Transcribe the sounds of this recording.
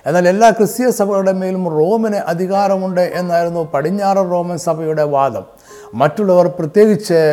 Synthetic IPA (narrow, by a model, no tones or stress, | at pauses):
e̞nːaːle̞lːaːkrɨsjɐsɐbʱɐjuɽe̞meːlumro̞ːmɐnɨʔɐd̪ʱiɣaːɾɐmuɳɖɨʔe̞nːaːjiɾunːupɐɽiɲːaːrɐro̞ːmɐnsɐbʱɐjuɽe̞ʋaːd̪ɐ̰mː | ɐtːuɭːɐʋɐrprɐt̪je̞ːɡit͡ɕːɨ